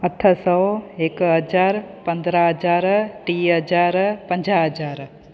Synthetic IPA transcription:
ɐt̪ʰːəsɔweːkɦəd͡ʒaːɾpə̃nd̪ɾaɦəd͡ʒaːɾʈiɦəd͡ʒaːɾpə̃ɲd͡ʒaɦəd͡ʒaːɾ

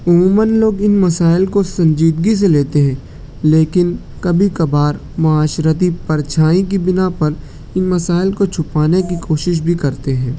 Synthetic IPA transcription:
ʊmuːmənloːɡɪnmɐsaːɪlkosɐ̃ɲd͡ʒiːd̪̚ɡis̬eleːt̪eɦɛ̃ː | leːkɪn | kɐbʱikɐbaːɾ | mɐaːʃɾət̪̬ipɐɾt͡ʃʰaːĩk̬ibɪnapɐɾ | ɪnmɐsaːɪlkot͡ʃʰʊpaːnek̬ikʰoːʃɪʃ̬bʱikɐɾt̪eɦɛ̃ː

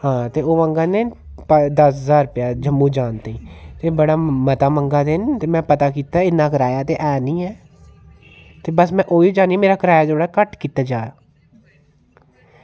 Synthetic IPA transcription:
hãːt̪eːoːʋəŋɡaːneː | pəd̪əszaːɾpjaːd͡ʒəmːũːd͡ʒaːnt̪eĩːt̪eːbəɽaːmət̪aːməŋɡaːd̪ɪnt̪eːmɛ̃ːpət̪aːkiːt̪aɛɪnːãːkəɾaːjaːt̪eːʔɛːniːɛː | t̪eːbəsmɛ̃ːʔoːid͡ʒaːniɛmeːɾaːkəɾaːjaːd͡ʒoːɽaːkəʈkiːt̪aːd͡ʒaːa

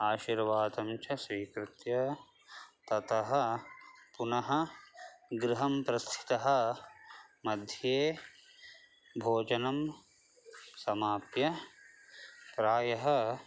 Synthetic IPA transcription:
aːʃiɾʋaːd̪ɐmt͡ʃɐsʋiːkɾɪt̪jɐ | t̪ɐt̪ɐɦɐ̆ | punɐɦɐ̆ | ɡɾɪɦɐmpɾɐst̪ʰi̥t̪ɐɦɐ̆ | mɐd̪ʱjeː | bʱoːd͡ʒɐnɐm | sɐmaːpjɐ | pɾaːjɐɦɐ̆

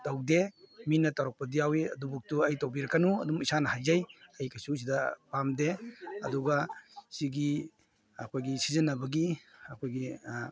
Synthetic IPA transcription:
tawdeminɐtawɾɔk̚pɐdijawiɐ̰dubuk̚tuajtawbiɾɐkːanuɐdumisanɐhajzajɐjkʰajsus̬idɐpamdeɐduɡasiɡi | ɐkʰojɡisizɐnɐbɐɡiɐkʰojɡi

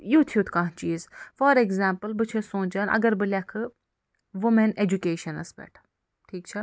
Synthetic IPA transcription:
jut̪ʰijuːt̪ʰkãːɦt͡ʃiːzfɔɾeɡzaːmpɨlbɨt͡ʃʰesõːnd͡ʒɐnɐ̰ɡɐɾbɨlʲjakʰɨ | ʋumened͡ʒukeːʃɐnɐ̰sbḛːʈʰ | ʈʰiːk̚t͡ʃʰa

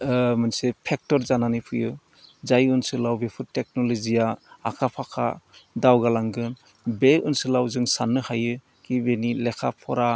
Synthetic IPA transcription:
mɯnsepʰek̚tɔɾzananɯpʰɯjɯ | zajunsɯlawbepʰɯtek̚nɔlɔzijaːkʰapʰakʰa̰dawɡalaŋɡɯn | beṵnsɯlawzɯŋsanɯhajɯ | kibenilekʰa̰pʰɔɾa

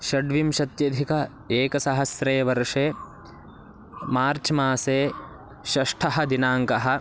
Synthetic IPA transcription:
ʃɐɖʋimʃɐt̪jɐd̪ʱikɐ | eːkɐsɐɦɐsɾeːʋɐɾʂeː | maːɾt͡ʃʰmaːseː | ʃɐʂʈʰɐɦɐ̆d̪inaːŋkɐɦɐ̆

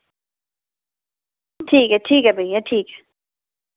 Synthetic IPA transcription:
tʰiːkɛtʰikɛbeŋatʰiːkɛ̥

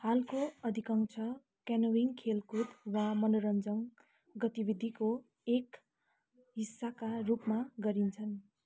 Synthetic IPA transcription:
halkoʌd̪ʱikʌŋt͡sʰʌ | kanowiŋkʰelkud̪wamʌnoɾʌnd͡zʌŋ | ɡʌt̪ibid̪ʱiko | ek | ɦisːakarupmaɡʌɾint͡sʰʌn

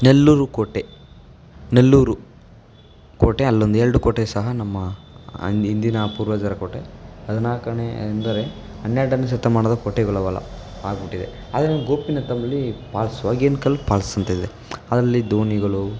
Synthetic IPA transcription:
nelːuːɾukoːʈːe | nelːuːɾu | koːʈeɐlːond̪ueɾɐɖukoːʈesɐɦɐnɐmːɐ̰ | ind̪inɐpuːɾʋɐd͡ʒaɾɐkoːʈeɦɐd̪unaːkɐnḛnd̪ɐɾe | ɐnːaːɖɐnːɐs̬ɐt̪ːɐmaːɳɐd̪ɐkoːʈːeɡɐɭɐʋɐlɐ̰ | a̰ːɡɐbiʈːid̪e | a̰ːd̪ɐɾeɡoːpinɐt̪ɐmːɐlːipaːlsuʋaːɡieːnukɐlpaːlsɐnt̪ɐid̪e | ɐd̪ɾɐlːid̪oːniɡɐɭu

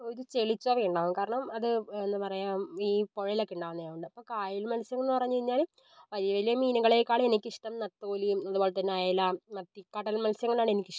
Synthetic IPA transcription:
oɾut͡ɕe̞ɭit͡ɕːuɐʋeːɳɖaːʋumkaːɾɐɳɐmɐðɨenːɨpɐrɐjaːmiːpo̞ɻɐilokːɳɖaːʋunːɐjaːʋuɳɖɨɐpːoːkaːjilmɐlɐsjɐŋːɭnːɨpɐrɐjɲːt͡ɕeiɲːaːl | ʋɐðijɐʋɐlijɐmiːnuɣɐɭekːaːɭe̞nikʲːiʂʈɐmnɐt̪ːoːlimɐðuboːlet̪ɐnːeaːjaːjilːaɐt̪ːikːaːʈːɐilmɐlɐsjɐŋːɐɭaːɳenikʲːiʂɐ

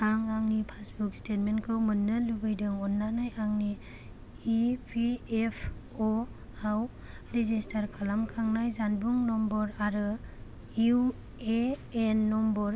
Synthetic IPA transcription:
aŋaŋnipʰasbukstetmenkʰɯwmɯnːɯlubɯjdɯŋɔnːanajaŋniː | pʰiepʰ | o | aw | ɾezistʰaɾkʰalamkʰaŋnajzanbuŋnɔmbɔɾaɾɯ | ju | eenːɔmbɔɾ

